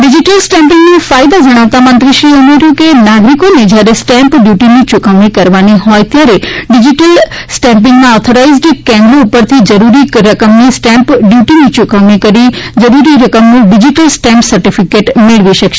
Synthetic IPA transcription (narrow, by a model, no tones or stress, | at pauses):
ɖɪd͡ʑiʈəlsʈɛ̃mpɪ̃ŋɡnĩfaːɪd̪ad͡ʒɐɽ̃aʋt̪amɐ̃nt̪ɾiʃɾiːɐmeɾjokenaːɡɾikoned͡ʒjaɾesʈɛ̃mpɖjuːʈinit͡ʃʊkaʋɽikɐɾʋaniɦɔːet̪jaːɾeɖɪd͡ʑiʈəlsʈɛ̃mp̬ɪ̃ŋɡmãɔːt̪ʰoɾaizɖkɛ̃mloːpəɾt̪ʰid͡ʒɐɾuɾiɾɐkəmnisʈɛ̃mpɖjuːʈinĩt͡ʃʊkaʋɽikɐɾid͡ʒɐɾuɾiɾɐkəmnũɖɪd͡ʒiʈəlsʈɛ̃mpsɐɾʈifʰɪkeʈmeɭʋiʃɐkʃe